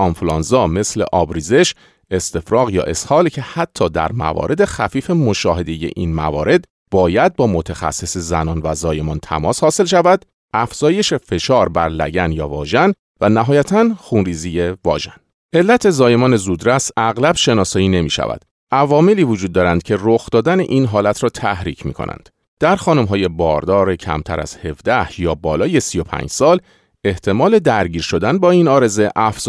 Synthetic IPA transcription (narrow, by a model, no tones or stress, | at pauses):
ʔɒmfulɒnzɒːme̞sle̞̰ʔɒːbɾiːze̞ʃ | e̞st̪e̞fɾɒːɣjɒ̰ːʔe̞shɒːlcʰe̞hæt̪ʰːɒːd̪æ̰ɾmæ̰vɒ̰ːɾʔe̞d̪e̞xæfiːfemo̞ʃɒːɦe̞d̪e̞je̞̰ʔiːnmæ̰vɒːɾe̞d̪ | bɒːjæd̪̚bɒːmo̞t̪ʰexæ̰sːe̞sezænɒːnvæzɒːje̞mɒːnt̪ʰæ̰mɒːshɒːse̞lʃævæd̪̥ | ʔæfz̥ɒːje̞ʃe̞fe̞ʃɒːɾbæɾlæ̰ɟænjɒːvɒːʒæn | vænæɦɒːjæt̪ʰænxuːnriːzije̞vɒ̰ːʒæ̰n | ʔe̞lːæt̪ʰe̞zɒːje̞mɒːne̞zuːd̪ɾæsæɣlæbʃe̞nɒːsɒːiːne̞miːʃæ̰væ̰d̪̥ | ʔævɒːmeliːvod͡ʒud̪̚ːɒːɾænd̪̚cʰe̞roxd̪ɒːd̪ænḛʔiːnɦɒːlæt̪ʰɾɒːt̪ʰæhɾḭcʰmḭːkʰo̰nʔæ̰nd̪̥ | d̪̥æɾxɒːnumɦɒːje̞bɒ̰ːɾd̪ɒːɾecʰæ̰mt̪ʰæ̰ɾæ̰z̥he̞vd̪æhjɒːbɒːlɒːje̞sijo̞pʰæ̰ːɲd͡ʒsɒːl | e̞ht̪ʰe̞mɒːle̞d̪æɾɟiːɾʃo̞d̪ænbɒːiːnɒːɾe̞ze̞ʔæf